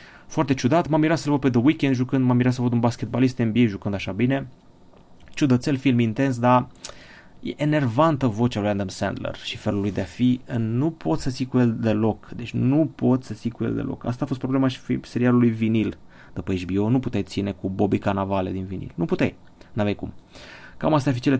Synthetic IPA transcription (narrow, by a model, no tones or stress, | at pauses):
foart̪e̞t͡ʃud̪at̪mamiɾasəlvəped̪əwikʲend̪ʒukɨnd̪mamiɾas̬əlvəd̪unbaskʲet̪̚balist̪enbiejʒukɨnd̪aʃabine̞ | t͡ʃud̪ət̪se̞lfilmint̪e̞ns̬d̪a | jḛʔene̞rvant̪əvo̞t͡ʃalujand̪amsɛ̰nd̪lḛrʃifelulujd̪eafinupʰo̞t̪sət̪sijkuje̞ld̪e̞lo̞kd̪e̞t͡ʃʲnupo̞t̪ʲsət̪sikujeld̪ḛlʔo̰ka̰st̪aːfost̪pɾoblemaʃi̥fise̞ɾialulujvinil | d̪̥upəet͡ʃbio̞nuput̪ejt̪sine̞kubobikanavaled̪invinḭlnuput̪ej | navejkṵmkamas̬t̪arfit͡ʃele